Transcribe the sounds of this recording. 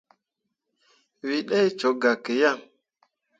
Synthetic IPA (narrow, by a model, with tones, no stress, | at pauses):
wi˨ɗɛ˦jt͡ʃo˨˦ɡa˨ke˨ja˦˨ŋ